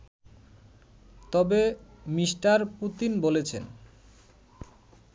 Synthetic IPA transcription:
t̪ɔbemiʃʈaɾput̪inbolet͡ɕʰen

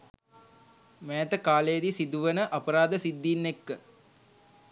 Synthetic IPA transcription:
mɛːt̪əkaːləjəd̪isid̪uʋənəʔapəɾaːd̪əsid̪ːiːnːekːə

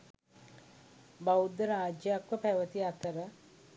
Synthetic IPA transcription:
bawud̪əɾaːd͡ʒjakʋəpɛʋət̪iat̪ʰəɾə

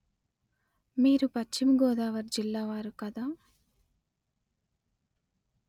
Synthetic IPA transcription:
miːɾupɐt͡ʃt͡ʃːimɡɔːd̪aːʋɐɾd͡ʒilːaːʋaːɾukɐd̪aː

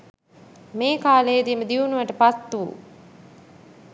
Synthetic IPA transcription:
meːkaːleːd̪iməd̪iunuʋɐʈəpat̪ːuṵ

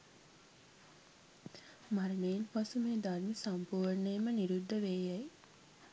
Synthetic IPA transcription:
maɾneːnpasumeːd̪armesampuːɾnəjməniɾud̪ʱːəʋeːjaj

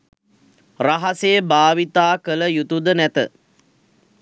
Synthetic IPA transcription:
raɦasejəbaːʋit̪aːkələjut̪ud̪ənæt̪ə

